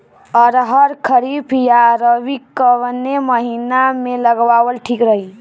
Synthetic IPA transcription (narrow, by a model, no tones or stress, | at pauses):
ɔɾɦəɾkʰəɾipʰjaɾəʋikːəʋneməɦinameləɡʋaʋəlʈʰikɾəɦi